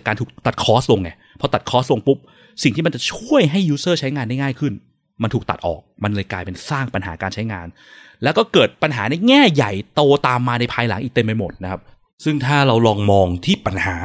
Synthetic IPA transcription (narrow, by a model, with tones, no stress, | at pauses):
kaː˧nt̪ʰuː˨˩k̚t̪a˨˩t̪̚kʰɔː˦˥s̚lo˧ŋa˧˩ | pʰɔ˦˥t̪a˨˩kʰɔː˦˥s̚lo˧ŋpu˦˥p̚ | si˨˩ŋt̪ʰiː˥˩a˧nt͡ɕa˨˩t͡ɕʰu˥˩əjɦa˥˩jːuː˦˥sɤː˥˩t͡ɕʰa˦˥jŋaː˧nda˥˩jŋaː˥˩jkʰɯ˥˩n | ma˧nt̪ʰuː˨˩kt̪a̰˨˩t̪ʔɔ̰ː˨˩k̚ma˧nlɤː˧jklaː˧jpe˧nsaː˥˩ŋpa˧nɦa̰ː˩˦kaː˧nt͡ɕʰa˦˥jŋaː˧n | lɛː˦˥wkɔː˥˩kɤː˨˩t̪̚pa˧nɦaː˩˦na˧jŋɛː˥˩ja˨˩jt̪oː˧t̪aː˧mːaː˧na˧jpʰaː˧jla̰˩˦ŋʔiː˨˩t̪e˧mːa˧jmo˨˩t̪̚na˦˥kʰa˦˥p̚ | sɯ˥˩ŋt̪ʰaː˥˩ɾa˧wlɔː˧ŋmɔː˧ŋt̪ʰiː˥˩pa˧nhaː˩˦